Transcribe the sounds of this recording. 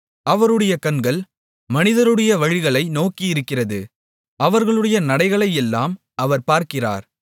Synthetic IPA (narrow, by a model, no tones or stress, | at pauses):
ɐʋɐɾɯɽɐjɐkɐnɡɐɭ | mɐnɪðɐɾɯɽɐjɐʋɐɻɪɣɐɭɐɪnoːkijɪɾɯkːɪrɐðɯ | ʔɐʋɐɾɣɐɭɯɽɐjɐnɐɽɐɪɣɐɭɐɪjɛlːaːm | ʔɐʋɐɾpaːɾkɪra̰ːɾ